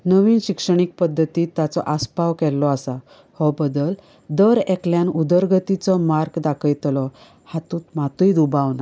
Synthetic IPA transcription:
nəʋiːnɕikʂəɳ̃ik̚pəd̪ʱːət̪iːt̪jat͡sɔʔaspaʋkɛlːɔasa | hɔbəd̪əl | d̪əɾɛkljanud̪əɾɡət̪it͡sɔmaɾɡd̪akʰəjt̪lɔ | hat̪ũːt̪mat̪uid̪ubaʋna

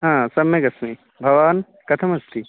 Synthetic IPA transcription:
ɦãːsɐmjeɡɐsmi | bʱɐʋaːn | kɐt̪ʰɐmɐst̪ʰi

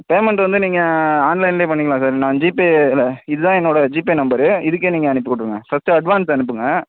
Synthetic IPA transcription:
peːmɛɳʈʋɐnd̪ɯniːŋɡɐaːnlɐɪnleːpɐɳːɪkːɐlãːsaːɾnãːd͡ʒiːpiɪlɐɪðɯðãːɛnːoːɽɐd͡ʒiːpeːnɐmbɐɾɯɪðɯk̬ːeːniːŋɡɐːnɯp̬ːɯkɔʈːɯɾɯŋɡɐfɐsʈɯɐɖʋaːnsɐnɯp̬ːɯŋɡɐ

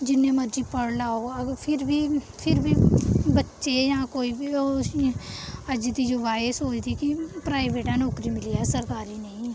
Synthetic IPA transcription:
d͡ʒɪnːẽməɾd͡ʒipəɽlaːoəpʰɪɾbʱi | pʰɪɾbʱibətːʃejãkoːibio | əd͡ʒd̪id͡ʒoʋaːsoːt͡ʃd̪ikipɾaːɪʋeːʈãnɔːkɾimɪliɛsəɾkaːɾinəĩ

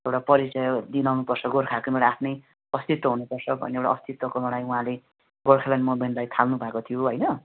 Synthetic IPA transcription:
ewɽapʌɾit͡sʌjod̪inawnupʌrsʰʌɡoɾkʰakomeɽaːpʰnʌj | ʌst̪it̪wʌɦunupʌrsʰʌbʱʌ̰newʈa̰ʌst̪it̪wʌkonʌɽ̃ajuɦãle | ɡorkʰalanimomenʈlajt̪ʰalnubʱakot̪ʰijoɦʌjnʌ

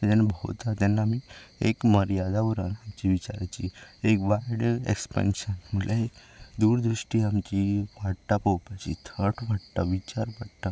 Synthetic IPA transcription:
d͡ʒɛnːbʱət̪at̪ɛnːaːmiekməɾjad̪aʋuɾanamt͡ɕiʋit͡ɕa̰ɾat͡ɕiekʋajɽḛkspɛ̰nʃənmulaed̪uɾd̪ɾuʂʈiamt͡ɕiʋaʈʈapowpat͡ɕḭt̪ʰəʈʋaɽt̪aʋit͡ɕaɾʋaɽt̪a

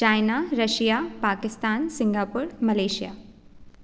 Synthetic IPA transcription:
t͡ʃaːɪnaɾɐʃijaːpaːkɪst̪aːnsɪ̃ŋɡaːpuːɾmɐleːʃija̰ː

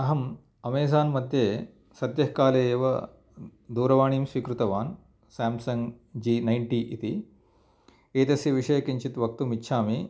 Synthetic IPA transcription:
ɐɦɐm | ɐmeːzaːnmɐd̪jeː | sɐd̪jɐɦkaːleːjɐʋɐ | d̪uːɾɐʋaːɳ̃iːmsʋiːkɾut̪ɐʋaːn | saːmsɐŋɡ | d͡ʒiːnɐjɳʈiːʔit̪i | eːt̪ɐsjɐʋiʂɐjɐkiɲt͡ʃit̪ʋɐk̚t̪umitːʃʰaːmi

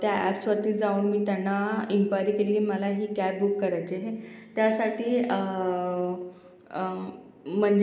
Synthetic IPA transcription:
t̪jaæpsʋət̪iːd͡zauːɳmiːt̪anːaiŋkʋajɾiːkeliːkiməlaɦiːkabukːəɾajt͡ɕeɦet̪jasaʈiː | m̤əɳd͡ʑ

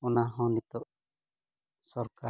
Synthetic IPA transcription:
ɔnaɦɔ̃nit̪ɔʔ | sɔɾka

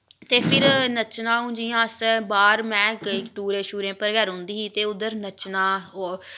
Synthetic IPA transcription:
t̪eːpʰɪɾnət͡ʃnãːɦũːd͡ʒiːjãːəsbaːɾmɛ̃ːkɪkʈuːɾeːʃuːɾẽːpəɾɡəɾɦʊ̃nd̪iːiːt̪eːʊd̪əɾnət͡ʃnãːɦoː

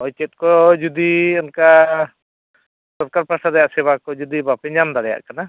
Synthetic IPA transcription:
ɔjt͡ʃɛt̪̚kɔd͡ʒud̪iɔnka | sɔɾkaɾpɾaʈaɾɛjaʔsɛβakɔd͡ʒud̪ibapɛɲand̪aɽɛja̰ʔkana

